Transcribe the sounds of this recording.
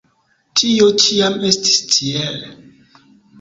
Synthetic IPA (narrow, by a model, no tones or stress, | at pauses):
tʰijot͡ʃʰijamestʰi̥stʰiɛlɛ